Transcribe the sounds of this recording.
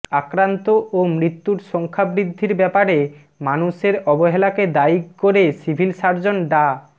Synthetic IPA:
akɾant̪oʔomɾit̪ːuɾʃɔŋkʰabɾid̪ʱːiɾbɛpaɾe | manuʃeɾɔboɦelaked̪aikoɾesibʱilʃaɾd͡ʑonɖa

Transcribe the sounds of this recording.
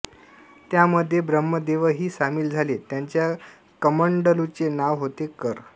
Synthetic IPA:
t̪jaməd̪ʱːjebɾəmːəd̪eʋəɦiːsamiːld͡zʱalet̪jaɲt͡ɕja | kəməɳɖəlut͡senaʋɦot̪ekəɾ

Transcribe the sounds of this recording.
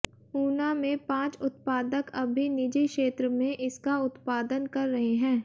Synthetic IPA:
uːnamẽpãːt͡ʃʊt̪paːd̪əkɐbʱinɪd͡ʒekʃeːt̪ɾəmẽʔɪskaʊt̪paːd̪ənkɐɾːɐɦeɦɛ̃ː

